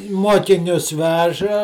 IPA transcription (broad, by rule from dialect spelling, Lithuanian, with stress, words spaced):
ˈmuɔkʲɪnʲʊs ˈʋʲæːʒɐ